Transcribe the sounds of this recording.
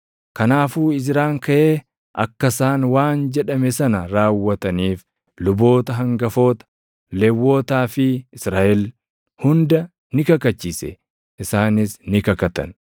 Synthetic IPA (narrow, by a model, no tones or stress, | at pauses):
kɐnaːfuːɪzɪɾaːŋkɐʔeː | ʔɐ̰kːɐsaːnwaːnd͡ʒɛᶑɐmɛsɐnɐɾaːwːɐt̪ɐniːf | lʊbo̞ːt̪ɐɦɐŋɡɐfo̞ːt̪ɐ̥ | lɛwːo̞ːt̪aːfɪɪsɾaːʔɛl | hʊnd̪ɐ | nɪkɐkɐt͡ʃːiːsɛ̰ | ʔɪsaːnɪsnɪkɐkɐt̪ɐ̰n